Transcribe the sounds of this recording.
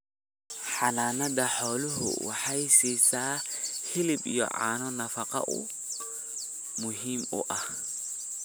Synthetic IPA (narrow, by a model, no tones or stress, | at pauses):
ħananadaħɔluhṵwaħajsisahilibjɔ̰ʔa̰ːnɔnafaqa̰ʔṵ | muɦimṵʔa